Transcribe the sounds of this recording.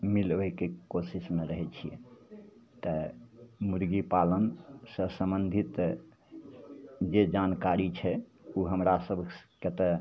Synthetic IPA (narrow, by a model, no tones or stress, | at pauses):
milʋəjkekosismeɾəɦɛt͡ʃʰijɛ̰ | t̪ə | muɾɡipalənsəsəmbənd̪ʱit̪ | d͡ʒed͡ʒankaɾit͡ʃʰɛuɦəmɾasəbʱket̪ə